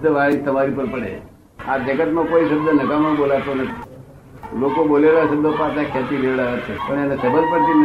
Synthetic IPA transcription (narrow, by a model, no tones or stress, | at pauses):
əʋaɭist̪əmaɾipəɾpəɽḛ | a̰t̪ekət̪mãkoisəbd̪ənəkaməbolat̪one | lokobolelasəbd̪ʱəpat̪akʰet̪ileʋɭaət͡ʃʰepəɳjanasəbəd̪̚pəɽt̪in